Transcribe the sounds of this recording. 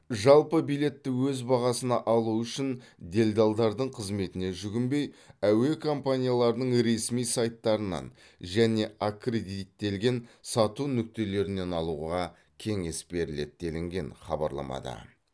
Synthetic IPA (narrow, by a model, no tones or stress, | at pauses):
ʒɑlˠpəbijle̞t̪ːɪwɵzbɑʁɑsənɑʔɑlˠuʏʃɪn | d̪e̞lʲd̪ɑlˠd̪ɑɾd̪əɴqʰəzme̞t̪ɪne̞ʒʏɡʲɪmbe̞jæwe̞kʰompanʲijalˠɑɾəd̪əɴɾe̞smijsɑjt̪ːɑɾənɑ̰n | ʒæne̞akre̞d̪it̪ːe̞lɡʲe̞nsɑt̪unʏk̚t̪e̞le̞ɾɪne̞nɑlˠuʁɑ | kʲʰe̞ŋe̞sbe̞ɾɪle̞d̪̚d̪e̞lɪŋɡʲe̞nχɑbɑ̰ɾlˠɑ̰mɑ̰d̪ɑ̰